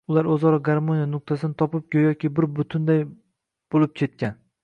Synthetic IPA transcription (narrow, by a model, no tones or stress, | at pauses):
ʊlˠaɾɵzɒɾɒɡaɾmonijanʊq̚t̪ʰasɪnɪt̪ʰɒpɪp̚kʲojɒkʲɪbɪɾbʊt̪ʰʊnd̪aj | b̥olɪp̚kʲʰe̞t̪̚kʲan